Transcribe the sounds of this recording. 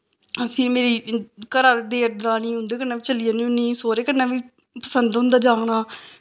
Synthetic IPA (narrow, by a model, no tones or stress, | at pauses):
pʰɪɾmeːɾiːkəɾaːd̪eːʈ̪̚ɾaːñiːɦʊ̃nd̪eːkənaːʋiːt͡ʃəliːaːnĩːʊniːsoːɾeːkənːaːʋiː | pəsənd̪ɦʊ̃nd̪aːd͡ʒaːnaː